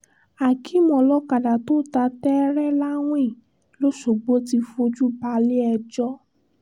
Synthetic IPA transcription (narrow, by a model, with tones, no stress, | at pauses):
a˨ki˨˦mɔ̃˧lɔ˦ka˨da˨to˦ta˧tɛ˦ɾɛ˦la˦w̃ẽ˦˨ | lo˦ʃo˨ɡ͡bo˦ti˧fo˧d͡ʒu˦ba˧le˦ɛ˧d͡ʒɔ˦